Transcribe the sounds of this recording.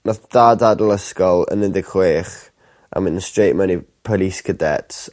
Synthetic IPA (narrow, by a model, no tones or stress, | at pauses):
nɔθd̥aːdadəlˠəskɔlˠə̰nːɪndɪɡχweːχ | ʔa̰mɪnənstrejʔmənipʰɔliskʰədɛ̰ts